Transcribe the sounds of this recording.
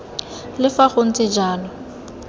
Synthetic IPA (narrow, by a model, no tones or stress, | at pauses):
lɪfaχʊn̩t͡sʼɪd͡ʒaːnɔ